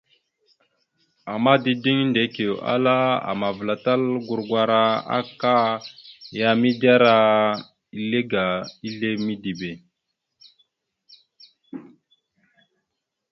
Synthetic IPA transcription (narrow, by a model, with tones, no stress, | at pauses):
a˨mːa˦di˦di˦ŋnde˨˦ke˨ʔa̰˦la˦a̰˨ma˨vla˨ta˦lɡu˦˨ɾɡwa˨ɾa˦a̰˦ka˦ | ja˦mi˦da˦ɾa˦ | i˨˦le˦ɡa˨i˦ɮe˦mi˦di˨be˨